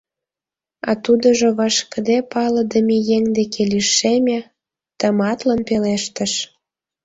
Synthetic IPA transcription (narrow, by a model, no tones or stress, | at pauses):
ɑ̰t̪ud̪ə̆ʒoβɑʃkə̆d̪epɑləd̪əmejeŋd̪ekʰeliʃemʲe | t̪əmɑt̪lənpeleʃt̪ə̆ʃ